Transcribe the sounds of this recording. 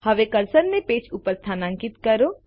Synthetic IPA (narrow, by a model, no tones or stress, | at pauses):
hɐʋekɐɾsəɾnẽpeːt͡ʃʰuːpəɾst̪ʰaːnãːŋkɪt̪kɐɾoː